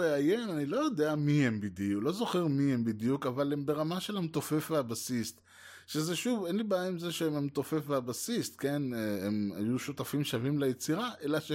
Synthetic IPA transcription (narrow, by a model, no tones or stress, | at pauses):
eajenanilo̞jo̞d̪eamihembiduklo̞zo̞χeʁmihembid̪jukavalembe̞ʁamaʃe̞lemt̪o̞fe̞fveabasist̪ | ʃeze̞ʃuvenlibeaimzeʃememt̪o̞fe̞fveabasist̪ke̞neema̰juʃut̪afimʃavimlejet͡siʁaʔe̞laʃe